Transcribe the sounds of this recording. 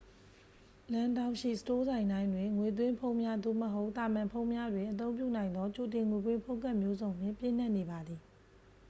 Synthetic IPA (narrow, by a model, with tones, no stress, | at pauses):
lã˦ndã˦ʊ̃ʃḭ˦˨sə̥to˦zã˨ɪ̃nã˦ɪ̃ndwɪ̃˨ŋwe˨t̪̬wɪ̃˦mpʰõ˦ʊ̃mja˦d̪o̰˦˨məɦo˦ʊʔt̪a˨mã˨mpʰõ˦ʊ̃mja˦dwɪ̃˨ʔət̪̬õ˦ʊ̃mp̬jṵ˦˨nã˨ɪ̃nd̪ɔ˦t͡ɕo˨t̬ɪ̃˨ŋwe˨wɪ̃˦mpʰõ˦ʊ̃ŋka˦˨mjo˦zõ˨ʊ̃mjɪ̰̃˦˨mpjɪ̰̃˦˨n̥a˦˨ʔne˨ba˨d̪ði˨